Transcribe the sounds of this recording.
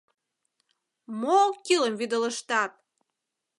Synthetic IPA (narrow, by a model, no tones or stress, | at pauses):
mokiləmvid̪ələʃt̪ɑt̪̚